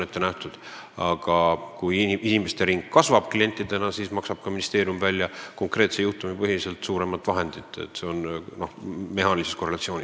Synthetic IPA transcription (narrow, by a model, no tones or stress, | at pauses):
ne̞t̪ːe̞næht̪ud̪̥ | ɑɡ̥ɑkujiinimest̪e̞ɾiŋɡ̥kːɑsvɑb̥klie̞nʲt̪ːˑid̪e̞nɑsismɑksɑb̥̚kɑminist̪e̞ːɾijumvælʲːjɑko̞ŋkre̞ːt̪sejuht̪umipɤɦilise̞lt̪suːɾe̞mɑt̪ːˑvɑɦe̞nd̪̥it̪ːˑḛt̪ːˑse̞o̞nno̞hme̞ɦɑːniliseskore̞lɑt̪sio̞ːnʲis